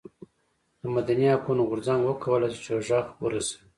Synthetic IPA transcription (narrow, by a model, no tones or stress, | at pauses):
d̪əmad̪aniakunoɣʊɾzaŋɡwəkʰawəlajsi̥t͡ʃeʒɑxwəɾasḁwi